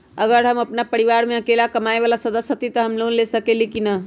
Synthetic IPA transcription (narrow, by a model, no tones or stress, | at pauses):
əɡəɾɦəməpnapəɾiʋaɾmeəkelakəmaeβalasəd̪əsjət̪it̪əɦəmlonlesəkelikinə